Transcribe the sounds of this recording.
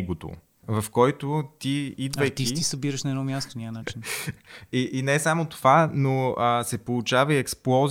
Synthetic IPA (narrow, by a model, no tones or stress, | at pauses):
ɡot̪o̰ | vɐfkɔjt̪ot̪iid̪vvəjk̪isisisəbiɾəʃnɐɛd̪ɔmʲjast̪onʲanain | iʔinɛsamot̪ovanoəsɛpolˠʊt͡ʃavɐiɛksplˠɔz